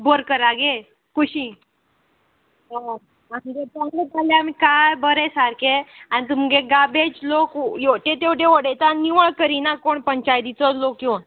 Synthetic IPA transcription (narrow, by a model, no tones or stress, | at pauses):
bəɾkəɾaɡe | kuɕiː | a | amɡetalətaleamikajbəɾesaɾkeanit̪̬umɡeɡabed͡ʑlokjoʈet̪̬ewʈeʋəɽet̪aniʋəɭkəɾiːnakoɳpəɲt͡ɕajd̪it͡sɔloki